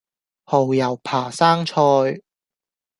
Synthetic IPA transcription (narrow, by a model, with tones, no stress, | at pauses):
ho˨˩wjɐ˨˩wpʰaː˨˩saː˥ŋt͡ʃʰɔː˧j